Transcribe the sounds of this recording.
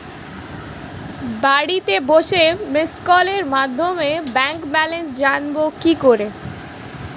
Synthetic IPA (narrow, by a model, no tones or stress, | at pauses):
baɽit̪eboʃemeskɔleɾmad̪ʱːomebɛŋkbɛlens̬d͡ʑanbokikoɾe